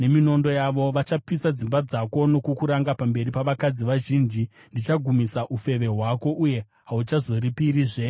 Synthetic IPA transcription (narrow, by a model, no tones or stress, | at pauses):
ne̞mino̞ndo̞jaʋo̞ʋat͡ʃapisad͡zimbad͡zako̞no̞kukuɾaŋɡapambe̞ripaʋakad͡ziʋaʒind͡ʒi | ndit͡ʃaɡʱumisaʔufe̞ʋe̞ɦwako̞ʔuje̞ | ɦaut͡ʃazo̞ɾipiɾiːʐe